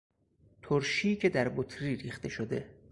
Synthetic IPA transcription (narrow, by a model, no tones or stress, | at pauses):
t̪ʰoɾʃiːcʰed̪æɾbot̪ʰɾiːɾiːxt̪e̞ʃod̪e̞̰